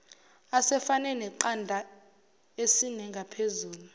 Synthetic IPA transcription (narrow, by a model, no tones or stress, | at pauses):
asɛfanɛnɛǃandʱa | esinɛŋɡʱapʰezuːlu